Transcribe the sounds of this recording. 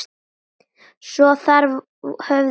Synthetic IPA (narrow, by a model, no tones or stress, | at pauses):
sɔθaɾ | hœv